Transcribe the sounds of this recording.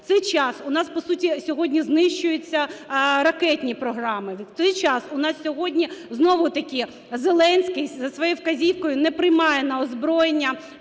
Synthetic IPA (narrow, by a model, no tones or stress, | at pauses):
t̪sɛjt͡ʃɑsʊnɑspɔsutʲisʲɔɦɔdʲnʲiznɪʃt͡ʃʊjʊt͡sʲːɐɾɐkɛtʲnʲipɾɔɦɾɑmɪʋʲt̪ɛjt͡ʃɑsʊnɑssʲɔɦɔdʲnʲiznɔʋʊt̪ɐkʲɪ | zelˠɛnʲsʲkɪjzɐsʋɔjɛwkɐzʲiwkɔjʊnɛpɾɪjmɑjɛnɐɔzbɾɔjenʲːɐ